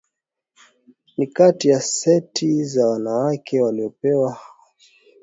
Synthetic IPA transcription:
nikatijasɛtʰizawanawakʰɛwaliɔpɛwa

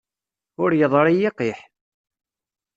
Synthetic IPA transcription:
ʊɾjəðˤɾˤijiqiħ

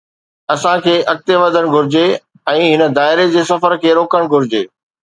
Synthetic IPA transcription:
ɐsãkʰeːʔɐk̚t̪eʋɐd̪ʱəɽ̃ɡʱʊɾɪd͡ʑe | ɛ̃ːɦɪnə̆d̪aːɪɾed͡ʑeːsɐfəɾkʰeːɾoːkəɽ̃ɡʱʊɾɪd͡ʑeː

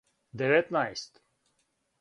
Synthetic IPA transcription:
d̪evet̪najst̪

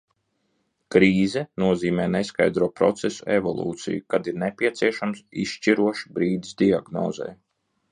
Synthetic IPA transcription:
kɾiːzɛnuɔziːmɛːneska̰jd̪ɾuɔːpɾɔ̰t̪sesuevɔ̰lˠṵːt̪sḭjukad̪iɾnepʲiɛt̪siɛʃamsḭʃʃt͡ʃiɾuɔʃibɾiːd̪isd̪iaɡnɔ̰ːzɛ̰j

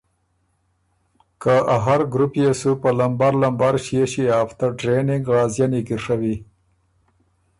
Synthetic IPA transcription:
kaaɦaɾɡɾupjesupəlambaɾlambaɾʃieɕiaːft̪aʈɾenɪŋɡɾɑːzjanikiɾʂawi

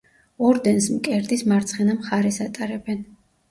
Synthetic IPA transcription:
ɔɾd̪ɛnsmkʼɛɾd̪ismaɾt̪sʰχɛnamχaɾɛsat̪ʼaɾɛbɛn

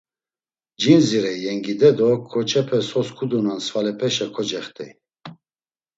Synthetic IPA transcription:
d͡ʒinziɾɛjɛŋɡid̪ɛd̪ɔkʰːɔt͡ʃʰʼɛpʰɛsɔskʰud̪unansvalɛpʰɛʃɛkʰɔd͡ʒɛχt̪ʰʼḭ

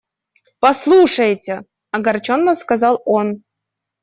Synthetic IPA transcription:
pɐslˠuʂəjtʲe | ɐɡɐrt͡ɕonːəskazɑlˠon

